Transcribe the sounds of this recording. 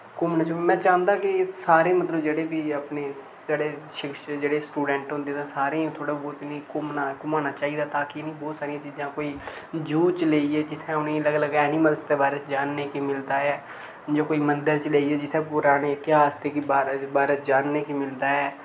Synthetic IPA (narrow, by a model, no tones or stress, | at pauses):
kʊmnãːd͡ʒomɛ̃ːt͡ʃaːənd̪ãːkɪsaːɾẽːmət̪ləbd͡ʒeːɽeːbiːəpneː | d͡ʒeːɽeːʃɪkʃd͡ʒeːɽeːsʈuːɖɛ̃ːɳʈɦʊ̃nd̪eːt̪ãːsaːɾẽːt̪ʰoːɽaːbɔːt̪ːnikʊmnakʊmaːnaːt͡ʃaːiːd̪aːt̪aːkinĩːbɔːt̪saːɾijãːt͡ʃiːzãːkoːiː | d͡ʒuːt͡ʃleːiɛːd͡ʒɪt̪ʰːẽːʊnẽːləɡləɡɛːnɪməlst̪eːbaːɾətd͡ʒaːnːeːkimɪld̪aːɛː | d͡ʒoːkoːiːmənd̪əɾt͡ʃəleːiːɛːd͡ʒɪt̪ʰːẽːpʊɾaːneːɪt̪ɪɦaːsd̪eːkibaːɾbaːɾəd͡ʒaːnːeːkimɪld̪aːɛː